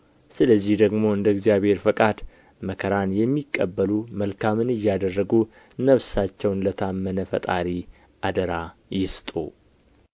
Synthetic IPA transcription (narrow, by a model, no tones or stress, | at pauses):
sɨləzːihd̪əɡmo̞ɨnd̪əɡzjaβhe̞ɾfəkʼad̪ | məkʰəɾanjɛmːikʼːəbːəluməlkʰamɨnɨjːad̪ərːəɡu | nəβsat͡ʃːɛwnlət̪ʰamːənəfə̰t̪ʼaɾi | ʔad̪əɾajɪst̪ʼṵ